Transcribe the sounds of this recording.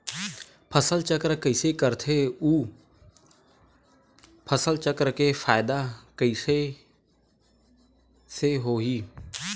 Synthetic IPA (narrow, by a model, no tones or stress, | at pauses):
pʰəsəlt͡ʃəkɾkəɪsekəɾt̪ʰeuː | pʰəsəlt͡ʃəkɾkefʰaːɪd̪akəɪse | seɦoːɦiː